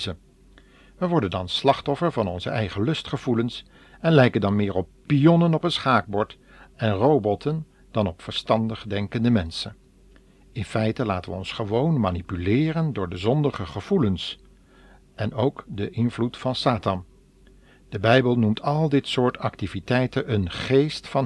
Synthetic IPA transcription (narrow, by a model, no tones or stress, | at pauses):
zə | ʋəʋɔɹdəndɑnslɑχtɔfəɹvɑnɔnzəʔɛjχəlɵstχəvuləns | ɛnlɛjkəndɑnmɪːɹɔp̚pijɔnənɔpənsχaːɡ̚bɔɹt | ɛnrowbɔtʰən | d̥ɑnɔpfəɹstɑndəχdɛŋkəndəmɛnsən | ɪnfɛjtəlaːtəʋəɔnsχəʋownmaːnipylɪːrəndʊːɹdəzɔndəχəχəv̥uləns | ɛnowkdəʔɪnvlutfɑnsaːtɑn | d̥əbɛjbəlˠnumtʰɑlˠdɪtsʊːɹtɑktivitɛjtənənχejstfɑn